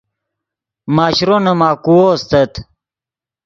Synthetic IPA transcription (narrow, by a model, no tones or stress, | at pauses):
maːɕɾonɐmaːkuwost̪ɐt̪